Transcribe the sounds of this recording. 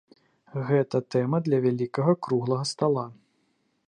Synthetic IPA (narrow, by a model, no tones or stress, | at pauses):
ɣɛt̪ɐt̪ɛmɐd̪lʲɐvʲalʲikɐɣɐkɾuɣlˠɐɣɐst̪alˠa